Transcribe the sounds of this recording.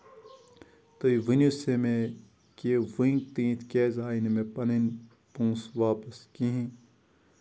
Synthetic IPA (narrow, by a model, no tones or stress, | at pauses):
t̪oiʋinjusemẽ | keʋiŋɡt̪ĩːt̪ʰkeːzaːinmẽpɐnin | pũːsʋaːpəskĩɦĩ